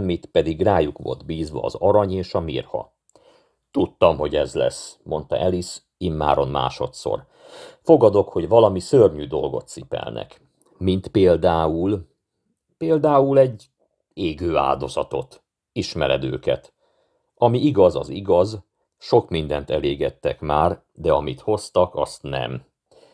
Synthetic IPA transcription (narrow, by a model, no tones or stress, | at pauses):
mit̪pɛd̪iɡraːjukʋo̞̰ld̪biːzʋɒ̰ːzɒɾɒɲeːʃɒmḭrhɒ̰ | t̪ut̪ːɒmɦo̞ɟɛzlɛ̰smo̞nt̪ɒʔɛlis | imːa̰ːɾo̞nma̰ːʃo̞t̪so̰r | fo̞ɡɒd̪o̞kho̞ɟvɒlɒmisørɲyːd̪o̞lɡo̞̰t̪sipɛ̰lnʔɛ̰k | mint̪peːld̪aːul | peːld̪aːulɛɟː | eːɡøːa̰ːld̪o̞zɒt̪o̞t̪ | iʃmɛɾɛd̪ø̰ːkɛ̰t̪ | ɒmiiɡɒzɒ̰ziɡɒz | ʃo̞kmind̪ɛnt̪ɛleːɡɛt̪ːɛkmaːr | d̪ɛɒmit̪ho̞st̪ɒkɒst̪nɛ̰m